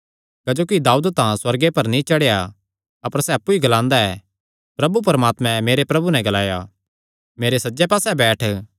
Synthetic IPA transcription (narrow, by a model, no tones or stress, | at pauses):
kɐd͡ʒoːkid̪aːud̪t̪ãswɐɾɡepɐɾnĩt͡ʃɐɽeja | ɐpəɾsɛɐpːuiɡɐlãːnd̪aɛː | pɾɐbupɐɾəmaːt̪mɛ̃meːɾepɾɐbunɛ̃ɡɐlaːja | meːɾesɐːd͡ʒɛpaːsɛbɛːʈʰ